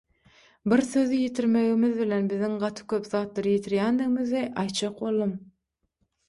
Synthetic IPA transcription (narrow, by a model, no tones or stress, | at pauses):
biɾsø̞ðijet̪ʰiɾmeɣimɪðbilenbiðiŋɢɑt̪ʰɯ̥kʲʰøpðɑːt̪lˠɑɾɯjet̪ʰiɾjænd̪iɣimiziʔɑjt̪t͡ʃɑq̚bo̞lˠːɯm